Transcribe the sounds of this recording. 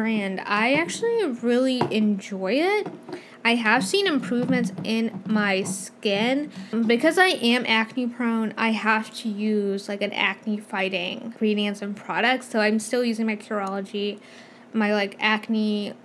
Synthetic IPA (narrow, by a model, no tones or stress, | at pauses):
bɹæ̃nda̰ɪæk̚t͡ʃʉl̩ˠiɹɪlˠiʔɨ̃nd͡ʒɔɪɪt̚ | aɪəv̥sĩnɨ̃mpʰɹ̥ʉvmɨ̃ntsʔɪ̃nmaɪskɪ̃nmbɨkʰʌzaɪʔɨ̃mʔæknipʰɹ̥õʊ̃na̰ɪhæftʰɨjʉzlaɪkɨ̃næ̰k̚nifaɪɾɪ̃ŋɡɹiɾiɨ̃nsɨ̃npʰɹ̥ɑɾɨk̚tsoʊãɪ̃mstɪlˠjʉzɪ̃ŋmaɪkʰə˞ɑlˠəd͡ʒi | maɪlaɪkækni